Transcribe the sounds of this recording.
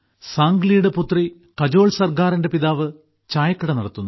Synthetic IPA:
saːŋɡlijuɽeput̪ːri | kɐd͡ʑo̞ːɭsɐrkaːrinde̞piðaːʋɨ | t͡ɕaːjɐkːɐɽɐnɐɽɐt̪ːunːu

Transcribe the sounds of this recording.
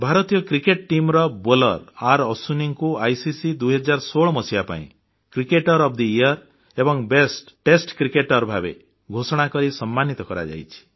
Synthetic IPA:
bʱaɾɔt̪ijɔkɾikeʈ̚ʈimɾɔbolɔ̰ɾaɾɔsuniŋkuajsisid̪uɦɔd͡ʒaɾsoɭɔmɔsiapa̰ḭ̃ | kɾikeʈɔɾɔp̚ʰd̪iijɔɾ | ebɔŋbesʈʈesʈkɾikeʈɔɾbʱabḛ | ɡʱosɔɽ̃akɔɾisɔmːanit̪ɔkɔɾa̰d͡ʒa̰jt͡ʃʰi̥

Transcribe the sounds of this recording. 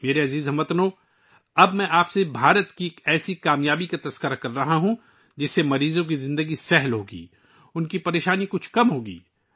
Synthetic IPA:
meːɾeɐziːzɦɐmɐt̪noː | ɐbmɛ̃ʔaːpsebʱaːɾət̪kiekɛːsikaːmjaːbikat̪ɐskəɾakɐɾːɐɦaɦũ | d͡ʒɪsːemɐɾiːzõk̬izɪ̃nd̪əɡisɛɦlɦoːɡḭː | ʊnkipɐɾeːʃaːnikʊt͡ʃʰkɐmɦoːɡḭː

